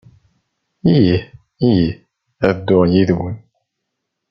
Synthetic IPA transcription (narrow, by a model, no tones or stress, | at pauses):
iji | iji | æðd̪ːʊʁjiðwən